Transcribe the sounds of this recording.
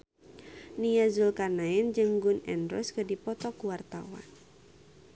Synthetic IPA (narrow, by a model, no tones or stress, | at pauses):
nijazulkanaɛnd͡ʒɨŋɡʊnɛnɾɔ̰skədipɔt̪ɔkuwart̪a̰wa̰n